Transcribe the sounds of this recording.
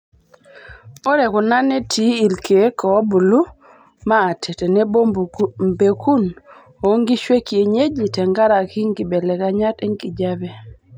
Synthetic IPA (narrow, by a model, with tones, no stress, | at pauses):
ɔ˦ɾe˨kʊ˨na˦ne˦tʰi˨˦i˨lkʰe˨˦kɔ˨˦bu˨lu˦ | maː˦˨tʰe˨te˨ne˦bo˦mbe˨kʰu˦n | o˨˦ŋɡi˦ʃwe˦ki˨e˨ɲe˦d͡ʒi˨tɛ˨ŋɡa˦ɾa˨ki˦ŋɡi˨bɛ˨lɛ˨ka˨ɲa˦te˦ŋɡi˨d͡ʒa˦bɛ˦